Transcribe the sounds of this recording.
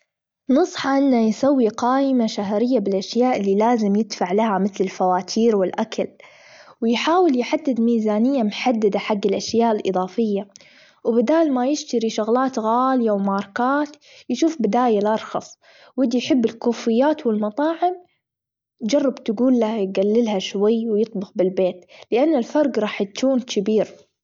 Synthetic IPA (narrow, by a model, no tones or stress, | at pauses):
nʊsˤħɑʔɪnːajsawːiqɑːʔɪmaʃaɦɾɪjːabɪlʔaʃjaːʔɪlːilaːzɪmjɪd̪faʕlahamɪθlɪlfawaːt̪ʰiːɾwɪlʔakʰal | wɪjħaːwɪljħad̪ːɪd̪miːzaːnɪjːamħad̪ːad̪aħaɡːɪlʔaʃjaːʔɪlʔɨ̰ðˤɑːfɪjːa | wbɪd̪aːlmajɪʃt̪aɾiʃʊɣlaːt̪ɣaːlɪjawmɑːɾˤkaːt̪ | jʃuːfbɪd̪aːjalʔɑɾˤxɑ̰sˤ | wɪd̪ijħɪbːɪlkuːfɪjːaːt̪wɪlmɑt̪ˤɑːʕɪm | d͡ʒɑrˤːɑbt̪ɡuːlːajɡalːɪlhaʃwajːwjɨt̪ˤbʊxbɪlbeːt̪lɪʔanːɪlfɑɾˤɡɾˤɑːħjakuːnkʰɪbiːɾ